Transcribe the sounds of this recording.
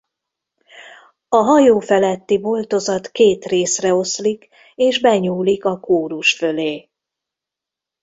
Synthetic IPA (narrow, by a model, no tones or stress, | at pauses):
ɒɦɒjoːfɛlɛt̪ːibo̞lt̪o̞zɒt̪keːt̪reːsrɛo̞slik | eːʒbɛɲuːlikɒkoːɾuʃfø̞leː